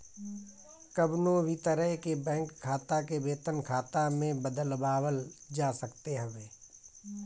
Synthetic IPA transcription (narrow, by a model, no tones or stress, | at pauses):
kəbnõbʱit̪əɾəɦkebɛ̃ːŋkʰːaːt̪akebeːt̪ənkʰaːt̪amẽbəd̪əlbaːwəld͡ʒaːsəkt̪eɦɐʋeː